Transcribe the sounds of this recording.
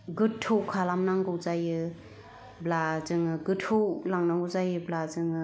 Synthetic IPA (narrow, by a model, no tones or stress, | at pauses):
ɡɯtʰowkʰalamnaŋɡɯwzajɯ | blazɯŋɯɡɯtʰowlaŋnaŋɡɯwzajɯblazɯŋɯ